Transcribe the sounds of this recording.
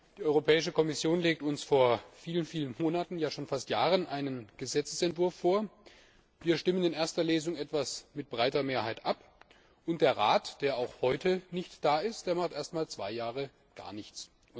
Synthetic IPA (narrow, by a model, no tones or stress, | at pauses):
d̥iːʔɔʏʁopʰɛːɪʃəkʰɔmɪsjoːnleːk̚tʊnsfoːɐfiːlənfiːlənmoːnatn̩jaːʃoːnfastjaːʁənʔaɪnənɡ̥əzɛt͡səsɛntv̥ʊɐfːoːɐ | viːɐʃtɪmənɪnʔeːɐstɐleːzʊŋʔɛtv̥asmɪt̚b̥ʁaɪtɐmeːɐhaɪtʔap | ʔʊntd̥eːɐʁaːtd̥eːɐaʊxhɔʏtʰənɪçtd̥aːɪst̚d̥eːɐmaχtʔeːɐstmaːlt͡sv̥aɪjaːʁə | ɡ̥a̰ːɐnɪçt͡s